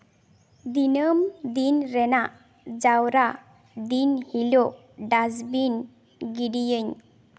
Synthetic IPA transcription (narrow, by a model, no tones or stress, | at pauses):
d̪inəmd̪inɾɛnaʔ | d͡ʒawɾa | d̪inhilo | ɖazbin | ɡiɖijəɲ